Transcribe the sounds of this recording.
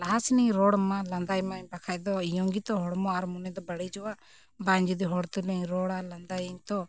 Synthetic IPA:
laɦasniɲɾɔɽmãland̪ajmaɲbakʰajd̪ɔjɔ̃ŋɡit̪ɔɦɔɽmɔaɾmunɛd̪ɔbəɽid͡ʒɔwa | bãɲd͡ʒid̪iɦɔɽt̪ulɛɲɾɔɽaland̪ajiɲt̪ɔ

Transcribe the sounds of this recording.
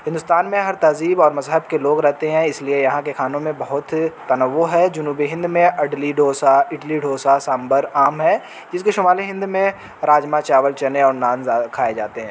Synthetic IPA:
ɦɪ̃nd̪ʊst̪aːnmẽɦɐɾt̪aːziːbɔːɾmɐzɦəb̚keloːɡɾɛɦt̪eɦɛ̃ɪsliejɐɦãkexaːnõmẽbɐɦʊt̪ːɐnəʋːoɦɛd͡ʒʊnuːbiɦɪ̃nd̪mẽʔɐɖliɖʱoːsaɪʈliɖʱoːsasãːmbəɾaːmɦɛː | d͡ʒɪskeʃʊmaːliɦɪ̃nd̪mẽ | ɾaːd͡ʒmat͡ʃaːʋəlt͡ʃɐneɔːɾnaːnzakʰaːed͡ʒaːt̪eɦɛ̃ː

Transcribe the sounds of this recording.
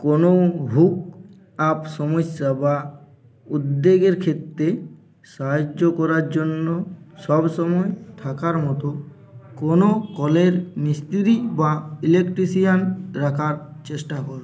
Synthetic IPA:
konobʱuk̚ | apsɔmɔsːaba | ud̪ːeɡeɾkʰet̪ɾe | saɦd͡ʒokɔɾaɾd͡ʑonːosɔbsɔmɔet̪ʰakaɾmɔt̪o | konokɔleɾnist̪ʰiɾibailekʈɾisijanɾakʰaɾt͡ɕesʈakɔɾ

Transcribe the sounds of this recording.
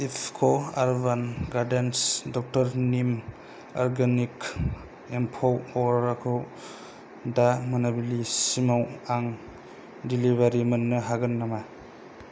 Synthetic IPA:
ipʰkʰoaɾbanɡaɾdensdɔk̚tɐɾnim | ɔɾɡanik | empʰowɔɾakʰɯw | damanabilisimawaŋ | diliβaɾimɐnːɐɦaɡɯnːama

